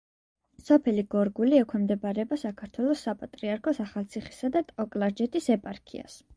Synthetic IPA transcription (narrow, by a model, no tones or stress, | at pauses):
sɔpʰɛliɡɔɾɡuliɛkʷʰwɛmd̪ɛbaɾɛbasakʰaɾt̪ʰwɛlˠɔsːapʼat̪ʼɾiaɾkʰɔsaχalˠt̪sʰiχi̥sad̪at̪ʼɔkʼlˠaɾd͡ʒɛt̪ʰisɛpʼaɾkʰḭa̰s